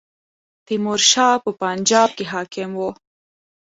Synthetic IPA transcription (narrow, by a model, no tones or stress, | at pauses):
t̪imuɾʃɑːpəpand͡ʒɑːb̚keɦɑːkɪmwo